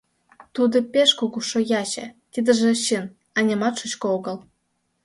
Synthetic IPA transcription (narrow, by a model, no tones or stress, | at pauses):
t̪ud̪ɤ̆pʲeʃkukuʃojɑɕḛ̆t̪ʲid̪ɘ̆ʒĕɕin | ɑnʲɑmɑt̪ʃut͡ɕkŏoɣɤ̆l